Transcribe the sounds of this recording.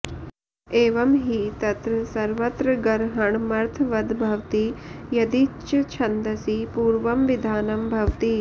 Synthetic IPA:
eːʋɐmɦiːt̪ɐt̪ɾɐsɐɾʋɐt̪ɾɐɡɐɾɦɐɳmɐɾt̪ʰʋɐd̪ʱbʱɐʋt̪ijɐd̪it͡ʃɐt͡ʃʰɐnd̪ɐsipuːɾʋɐmʋid̪ʱaːnɐmbʱɐʋt̪iː

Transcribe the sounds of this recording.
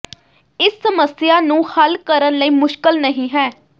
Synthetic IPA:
ɪsːəməsjaːnũːhəlkəɾənləiːmʊʃkəlnəɦĩːɦɛː

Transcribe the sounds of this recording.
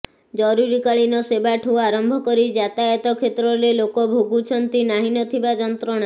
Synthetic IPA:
d͡ʒɔɾuɾikaɭinɔsebaʈʰuaɾɔmbʱɔkɔɾid͡ʒat̪aet̪ɔkʰet̪ɾɔɾelokɔbʱoɡut͡ʃʰɔnt̪inaɦinɔt̪ʰibad͡ʒɔnt̪ɾɔɽ̃a

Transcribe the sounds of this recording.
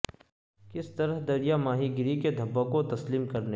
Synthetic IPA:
kɪst̪ɐɾəɦd̪ɐɾijamaːɦiɡɪɾiked̪ʱɐbːəkot̪ɐsliːmkɐɾne

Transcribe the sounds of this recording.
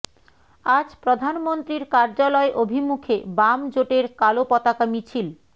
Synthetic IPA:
ad͡ʑpɾod̪ʱanmont̪ɾiɾkaɾd͡ʑalɔeʔobʱimukʰebamd͡ʑoʈeɾkalopɔt̪akamit͡ɕʰil

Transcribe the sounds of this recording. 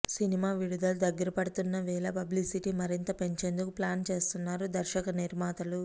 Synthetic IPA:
sinimaːʋiɽud̪ɐlud̪ɐɡːɐɾɐpɐɽut̪unːɐʋɛːlɐpɐblisiʈiːmɐɾint̪ɐpe̞ɲt͡ʃe̞ːnd̪ukuplaːnt͡ʃe̞ːst̪unːaːɾud̪ɐɾʃɐkɐniɾmaːt̪ɐlu

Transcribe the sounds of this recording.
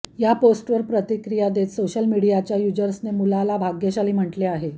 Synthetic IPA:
japosʈʋəɾpɾət̪ikɾijad̪et̪soɕəlmiɽijat͡ɕjajud͡ʑəɾsnemulalabʱaɡjeɕaliːm̤əʈleaɦe

